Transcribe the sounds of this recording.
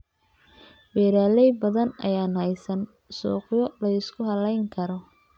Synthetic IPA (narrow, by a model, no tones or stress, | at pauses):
wɛːɾaːlɛjbɐðɐnɐ̰jaːnhɛjsɐn | sṵːqjɔlɐɪskʰʊhɐlɛjŋkʰɐɾɔ